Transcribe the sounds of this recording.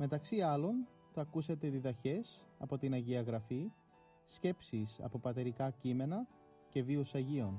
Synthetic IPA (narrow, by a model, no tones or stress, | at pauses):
me̞t̪ɐksiɐlo̞n | θɐkuset̪e̞ðiðɐçe̞s | ɐpo̞t̪inɐʝiɐɣɾɐfi | sce̞psisɐ̰po̞pɐt̪e̞ɾikɐcime̞nɐ | ce̞viusɐʝio̞n